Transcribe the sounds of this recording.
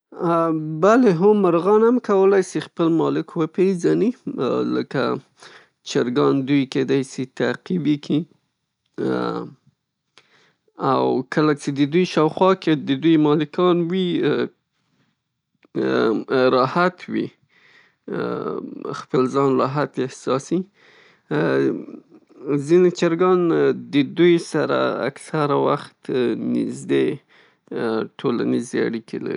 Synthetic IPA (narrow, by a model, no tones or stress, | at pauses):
baleɦʊmːaɾɣɑnamkawəlajsixpəlmɑlɪkwəpezanilə̰ka̰ | t͡ʃaɾɡɑnd̪ujked̪ɑjsit̪aqibikʰi | a̰wkəlat͡ʃed̪əd̪ujʃɑwxwɑked̪əd̪ujmɑlɪkɑnwi | ɾɑhat̪wḭ | xpəlzɑnɾɑɦat̪ehsɑsi | zinet͡ʃaɾɡɑnd̪əd̪ujsaɾa̰a̰ksaɾawaxt̪nɪ̰zd̪e | ʈʰola̰nizea̰ɽikḛla̰ɾi